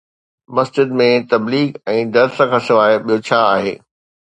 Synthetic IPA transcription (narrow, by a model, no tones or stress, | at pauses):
mɐsd͡ʑɪd̪mẽt̪ɐbliːɡɛ̃ːd̪ɐɾsɐ̃kʰãsɪʋaːɪɓijot͡ɕʰaːaːɦḛː